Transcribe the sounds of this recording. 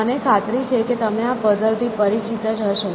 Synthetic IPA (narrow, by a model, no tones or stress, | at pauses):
ənekʰat̪ɾit͡ʃʰeket̪əmeapəd̪əlt̪ʰipəɾit͡ʃit̪əd͡ʒɦəʃo